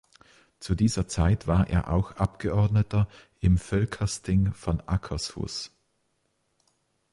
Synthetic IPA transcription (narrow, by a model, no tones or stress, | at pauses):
t͡sudiːzɐt͡saɪtv̥aːɐʔḛːɐʔa̰ʊxʔapɡ̥əɔɐdnətɐʔɪmfœlkʰɐstɪŋfɔnʔakʰɐsfṵs